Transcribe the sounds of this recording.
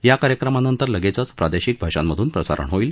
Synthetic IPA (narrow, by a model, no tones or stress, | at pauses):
jakaɾjəkɾəmanənt̪əɾləɡet͡sat͡spɾad̪eɕiːk̚bʱaʂanmːəd̪ʱuːnpɾəsa̰ɾə̰ɳɦoiːl